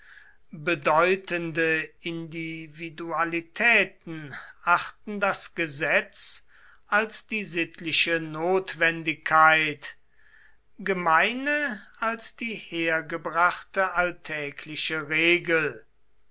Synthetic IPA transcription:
bədɔʏtəndəɪndividualitʰɛːtn̩ʔaχtn̩dasɡ̥əzɛt͡s | ʔalsd̥iːzɪtʰlɪʃənoːtv̥ɛndɪkʰːaɪt | ɡəmaɪnəalsd̥iːheːɐɡəbʁaχtəʔaltʰɛːkʰlɪʃəʁeːɡəl

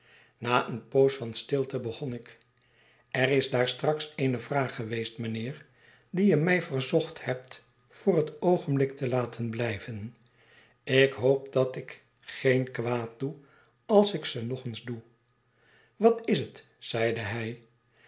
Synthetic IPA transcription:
naːʔənpowsfɑnstɪlˠtəbəχɔnɪk | ɛrɪzdaːɹstrɑksejnəvraːχːəʋejstmənɪːr | dijəmɛjvərzɔχthɛp̚t | fʊːrɦətowχənblɪktəlaːtʰənblɛjvən | ɪkɦowp̚dɑtɪk | χejnkʋaːt̚d̥u | ɑlˠsɪksənɔχənzdu | ʋɑtɪsət | sɛjdəɦɛj

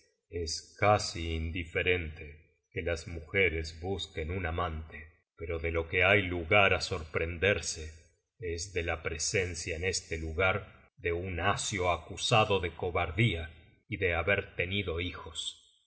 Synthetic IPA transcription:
eskasiːnd̪ife̞ɾe̞nt̪e | kelasmuxeɾezβuske̞nunamãnt̪e | pe̞ɾo̞ðelo̞ke̞ajluɣaɾaso̞ɾpɾe̞nd̪eɾse | ezðelapɾesensjaene̞st̪eluɣaɾ | ðe̞unasjo̞akusaðo̞ðe̞ko̞βaɾðia | iðe̞aβeɾt̪e̞niðo̞ixo̞s

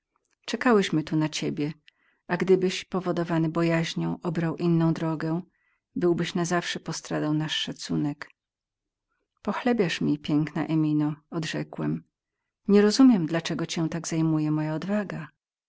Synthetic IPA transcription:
t͡ʂɛkawɛɕmɘt̪unat͡ɕebʲjɛ | aɡd̪ɘbɘɕpɔvɔd̪ɔvanɘbɔjaʑɲɔ̃w̃ʔɔbɾawʔinːɔ̃w̃d̪ɾɔɡɛ̃ | bɘwbɘɕnazafʂɛpɔst̪ɾad̪awnaʂːat̪sunɛk | pɔxlɛbʲjaʂmʲipʲjɛŋkna̰ʔɛmʲinɔɔd̪ʐɛkwɛm | ɲɛɾɔzumʲjɛmd̪lat͡ʂɛɡɔt͡ɕɛ̃t̪aɡz̥ajmujɛmɔjaɔd̪vaɡa

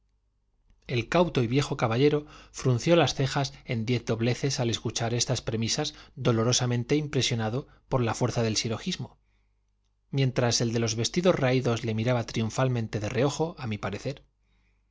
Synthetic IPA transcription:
e̞lkawt̪o̞iβje̞xo̞kaβaʎe̞ɾo̞fɾun̟θjo̞lasθe̞xase̞nd̪je̞θd̪o̞βle̞θe̞sale̞skut͡ʃaɾe̞st̪aspɾe̞misazd̪o̞lo̞ɾo̞samẽ̞nt̪e̞impɾe̞sjo̞naðo̞ | po̞ɾlafwe̞ɾθaðe̞lsiɾo̞xizmo̞ | mje̞nt̪ɾase̞ld̪e̞lo̞zβe̞st̪iðo̞zraiðo̞zle̞miɾaβat̪ɾiuɱfalmẽ̞nt̪e̞ðe̞reo̞xo̞ʔamipaɾe̞θe̞ɾ

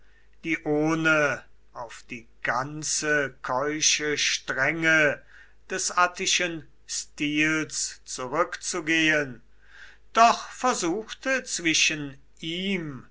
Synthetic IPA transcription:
d̥iːʔoːnə | ʔaʊfd̥iːɡ̥ant͡səkʰɔʏʃəʃtʁɛŋə | d̥ɛsʔatɪʃən | stiːlst͡suʁʏkt͡suɡeːən | d̥ɔχfɛɐzuːxtət͡sv̥ɪʃən | ʔiːm

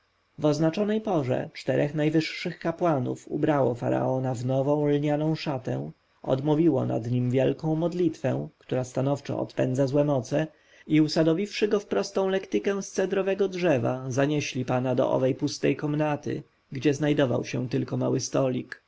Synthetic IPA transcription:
vɔznat͡ʂɔnɛjpɔʐɛ̰t͡ʂt̪ɛɾʔɛxnajvɘʂːɘxkapwanṵfṵbɾawɔfa̰ɾa̰ɔnavnɔvɔ̃w̃lɲanɔ̃w̃ʂat̪ɛ̰̃ | ɔ̰d̪muvʲiwɔ̰na̰d̪ɲimvʲjɛlkɔ̃w̃mɔd̪lʲit̪fɛ̃kt̪uɾast̪anɔft͡ʂɔ̰ɔ̰t̪pɛ̰nd̪zazwɛmɔt̪sɛ | iusad̪ɔvʲifʂɘɡɔfpɾɔst̪ɔ̃w̃lɛkt̪ɘkɛ̃w̃st̪sɛd̪ɾɔvɛɡɔdʐɛva̰zaɲɛɕlʲipanad̪ɔ̰ʔɔ̰vɛjpust̪ɛjkɔmnat̪ɘ̰ | ɡd͡ʑɛznajd̪ɔva̰wɕɛt̪ɘlkɔmawɘst̪ɔlʲik

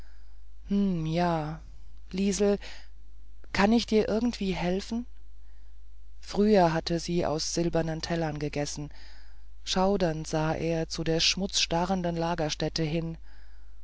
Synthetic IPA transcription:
hmm̩jaː | liːzl̩ | kʰanɪçd̥iːɐʔɪɐɡŋn̩tv̥iːhɛlfn̩ | fʁ̥yːɐɦatʰəziːʔa̰ʊsz̥ɪlbɐnəntʰɛlɐnɡəɡɛsn̩ | ʃaʊdɐntz̥aːʔeːɐt͡sudeːɐʃmʊt͡sʃtaʁəndənlaːɡɐʃtɛtəɦɪn

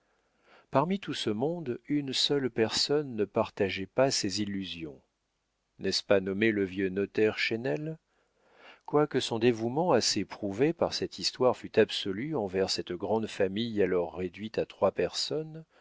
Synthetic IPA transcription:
paʁmit̪usəmɔ̃d̪ynsœlpɛʁsɔnːəpaʁt̪aʒɛpasezilːyzjɔ̃ | nɛspanɔmeləvjønɔt̪ɛʁʃenɛl | kwakəsɔ̃d̪evumɑ̃asepχuvepaʁsɛt̪ist̪waʁfyt̪absɔlyɑ̃vɛʁsɛt̪ɡʁɑ̃d̪famijalɔʁːed̪ɥit̪at̪χwapɛʁsɔn

